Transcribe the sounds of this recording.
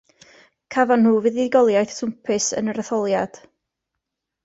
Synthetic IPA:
kʰavanhuːvɨðɪɡɔlˠjajθtʰʊmpʰɪsə̰nəɾəθɔlˠjad̥

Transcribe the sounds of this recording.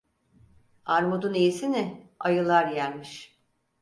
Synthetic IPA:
aɾmud̪unejisinɪajɯlˠaɾjæɾʲmiʃ

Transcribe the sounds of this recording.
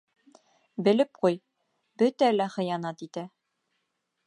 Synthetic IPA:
bɘ̆lɘp̚quj | bɵt̪ælæχɤ̆jɑnɑt̪it̪æ

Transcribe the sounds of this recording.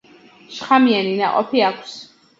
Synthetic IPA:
ʃχamianina̰qʼɔ̰pʰiakʷʰs

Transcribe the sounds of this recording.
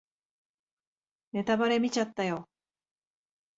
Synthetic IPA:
ne̞t̪abaɾe̞mʲit͡ɕat̪ːajo

